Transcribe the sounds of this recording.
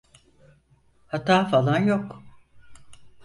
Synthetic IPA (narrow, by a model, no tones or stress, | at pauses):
hat̪ʰaːfalˠanjok